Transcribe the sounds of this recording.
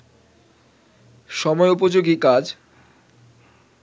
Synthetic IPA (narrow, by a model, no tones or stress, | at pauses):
ʃɔmɔeup̬od͡ʑoɡikad͡ʑ